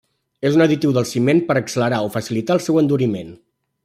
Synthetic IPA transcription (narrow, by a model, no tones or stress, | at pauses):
ezunəðit̪iwðəlˠsimenpəɾəksələɾaofəsilit̪aəlˠsɛwənd̪uɾimen